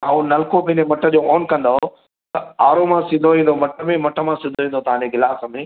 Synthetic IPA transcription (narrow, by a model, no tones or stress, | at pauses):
ãːũnɐlkopɐ̃ɦɪ̃ɲd͡ʑemɐʈʰə̆d͡ʑoːɔːnkɐ̃nd̪aɦo | t̪ɐaːɾomãsɪ̃nd̪ʱoʋĩːn̆d̪omɐʈʰə̆mẽmɐʈʰə̆mãsɪ̃nd̪ʱoɦĩːnd̪ot̪ɐʋ̤ãɲd͡ʑeɡɪlaːsɐmẽː